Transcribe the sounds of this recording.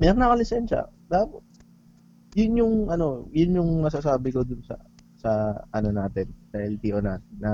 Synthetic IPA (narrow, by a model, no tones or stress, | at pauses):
mɛɐŋnɐkɐlɪsɛnʃɐ̰d̪apot̪̚ | jʊnjʊŋʔɐno̞jʊnjʊŋmɐsas̬aːbɪko̞d̪ʊnsɐ̰sɐʔɐnonaːt̪ɪnd̪ɐɪlt̪iʔonaːnɐ